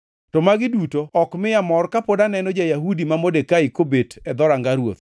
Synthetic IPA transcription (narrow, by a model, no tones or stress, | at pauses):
tɔmaɡɪdutoɔkmɪamɔrkapodanɛnɔd͡ʒajaɦudimamodekaikobetʰɛd̪ɔɾaŋɡaɾwo̰t̪